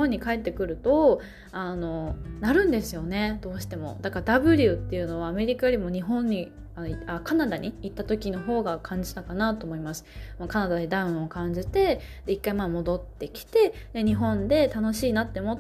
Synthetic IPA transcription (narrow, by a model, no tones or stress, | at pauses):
õɲ̟ːikae̞t̪ːe̞kɯ̟ɾɯ̟t̪o̞ | ano̞naɾɯ̟̃nd̪e̞sɨjo̞ne̞d̪o̞ːɕi̥t̪e̞mo̞̰d̪akad̪abɯ̟ɾʲɯ̟t̪ːe̞jɯ̟no̞βaːme̞ɾʲikajo̞ɾʲimo̞ɲ̟iɦõ̞ɲ̟ːi | aakanad̪aɲ̟iːt̪ːat̪o̞kʲino̞ɦo̞ːɡakʰãɲ̟d͡ʑi̥t̪akanat̪o̞ːmo̞imasɨ̥makanad̪ad̪ed̪aɯ̟̃o̞kãɲ̟d͡ʑit̪e̞ | d̪̥e̞ikːaimamo̞d̪o̞t̪ːe̞kʲi̥t̪e̞d̪̥e̞ɲ̟iɦõ̞nd̪e̞t̪ano̞ɕiːnat̪ːemo